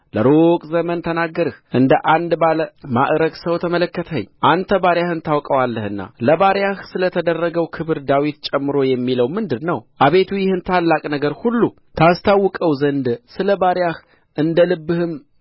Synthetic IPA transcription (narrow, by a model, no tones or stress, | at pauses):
ləɾokʼzəmənt̪ʰənaɡːəɾɨhʔɨnd̪əʔand̪baləmaʔɾəɡsəwt̪ʰəmələkːət̪ʰə̰ɲːʔant̪ʰəbaɾjahɨnt̪ʰawkʼəwalːəhɨnːa̰ləbaɾjahsɨlət̪ʰəd̪ərːəɡəwkʰɨβɨɾd̪awit̪t͡ʃʼɛmːɨɾo̞jɛmːiləwmɨnd̪ɨdnəwʔaβe̞t̪ʰujɪhɨnt̪ʰalːakʼnəɡəɾhulːu | t̪ʰast̪ʰawːɨkʼəwzənd̪sɨləbaɾjah | ʔɨnd̪əlɨbːɨhɨm